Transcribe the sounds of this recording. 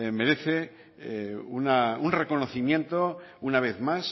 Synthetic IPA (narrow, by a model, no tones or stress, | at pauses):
me̞ɾe̞θe̞ | unaunre̞ko̞no̞θimje̞nt̪o̞unaβ̞e̞θmas